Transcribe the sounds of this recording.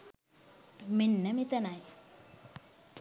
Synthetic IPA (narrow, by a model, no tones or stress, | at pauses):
minːɐmit̪ɐnaj